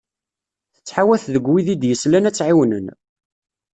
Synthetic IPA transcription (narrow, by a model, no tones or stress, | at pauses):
θə̥t͡sːħawæθðəɡwiðid̪jəslænæt͡sːʕiwnən